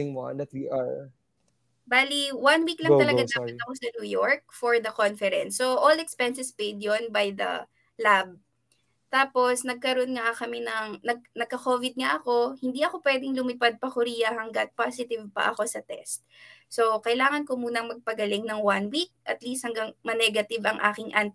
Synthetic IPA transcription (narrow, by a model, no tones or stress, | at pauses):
ɪŋwa̰ndɐt̪wiːaɹ | baːliwanwiklɐŋt̪ɐlɐɡad̪aːpɐt̪ɐkosɐnuːjoɹk̚fɔɹðɐkonfɛɾɛ̰nsːoʔolɛkspɛnsɛspejd̪jonbajd̪ɐ̰ | lab̚ | t̪aːpo̞snɐɡ̚kɐɾoʔonŋakɐmɛnɐŋnɐɡ̚nɐɡ̚kɐko̞ːvɪd̪̚ŋaʔɐko̞hɪnd̪iɐko̞pwɛːd̪ɪŋlʊmɪpad̪̚pɐkʊɾiːjɐhɐŋɡat̪̚pasɪt̪ɪvpɐ̰ʔɐ̰ko̞sɐt̪ɛ̰st̪̚so̞kɐɪlaːŋɐnkomuːnɐŋmɐɡ̚pɐɡɐlɪŋnɐŋwanwik̚ʔɐt̪list̪̚hɐŋɡaŋmɐnɛɡɐt̪ɪbɐŋʔa̰ːkɪŋʔant̪